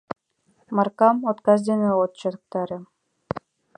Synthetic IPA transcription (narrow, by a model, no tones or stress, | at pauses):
mɑrkɑmot̪kɑzd̪eneot̪̚t͡ɕɤ̆d̪ɤ̆k̚t̪ɑɾʲɤ̆